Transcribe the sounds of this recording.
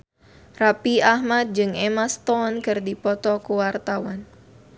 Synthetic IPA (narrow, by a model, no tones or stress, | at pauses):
rapiahmat̪̚d͡ʒɨŋɛmast̪ɔnkɨrdipɔt̪ɔkuwart̪awan